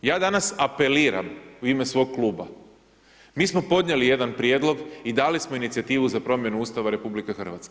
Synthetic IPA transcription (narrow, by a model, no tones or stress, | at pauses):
jaːd̪anasape̞liːɾa̰muimesʋo̞ːɡ̚klˠuːba̰ | miːsmo̞po̞d̪ɲe̞lije̞d̪anpɾjed̪lˠo̞ɡid̪aːlismoinit̪sijat̪iːʋuzapɾo̞mje̞nuuːst̪aʋaɾe̞publikexɨr̩ʋat̪ske